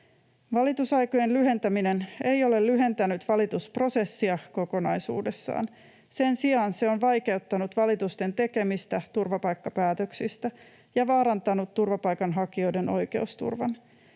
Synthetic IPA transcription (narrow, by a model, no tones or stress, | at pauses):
ʋɑlit̪usɑjkoje̞nlyɦe̞nt̪æminene̞jo̞le̞llyɦe̞nt̪ænyt̪ʋɑlit̪uspro̞se̞sːiɑko̞ko̞nɑjsṵːde̞sːɑ̰ːn | se̞nsiɑːnse̞onʋɑjke̞ut̪ːɑnut̪ʋɑlit̪ust̪e̞nt̪e̞ke̞mist̪æt̪urʋɑpɑjkːɑpæːt̪øksist̪æ | jɑʋɑːɾɑnt̪ɑnut̪ːurʋɑpɑjkɑnɦɑkio̞jde̞nʔo̞jke̞ust̪ṵrʋɑ̰n